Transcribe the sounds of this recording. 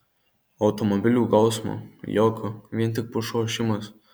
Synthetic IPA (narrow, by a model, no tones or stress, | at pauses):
ɒʊt̪ɔmɔbʲɪlʲuːkɐʊsmo̰ːjɔːkʰoʋʲiɛnt̪ʲɪk̚pʊʃoːʃʲɪmɐs